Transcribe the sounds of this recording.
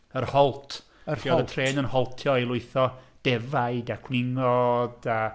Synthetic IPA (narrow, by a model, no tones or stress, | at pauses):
ərhɔlˠtʰ | əiɔðətʰreːnənhɔlˠtʰjɔilˠʊɨθɔd̥ɛvaɨdakʰwnɪŋɔda